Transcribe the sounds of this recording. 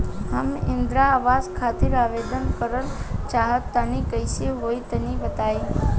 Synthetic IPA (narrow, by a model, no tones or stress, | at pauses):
ɦəmɪnd̪ɾaːʋaskʰat̪iɾaʋed̪ənkəɾəlt͡ʃaɦət̪ːanikəjʃeɦoit̪əniʋət̪aj